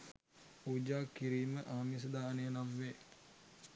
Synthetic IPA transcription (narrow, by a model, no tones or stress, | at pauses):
puːd͡ʒaːkːiɾiːməʔaːmis̬əd̪aːneənamʋe